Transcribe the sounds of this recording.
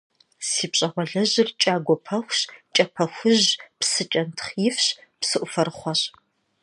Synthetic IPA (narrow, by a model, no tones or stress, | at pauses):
siːpɕʼɐχʷɔɮɐʑɪrt͡ʃʼaːɡʷɔpʰɐxʷɕt͡ʃʼɐpʰɐxʷʊʑpsɨt͡ʃʼɐntʰχjɪfɕpsɨʔʷʊfɐrχʷɔɕ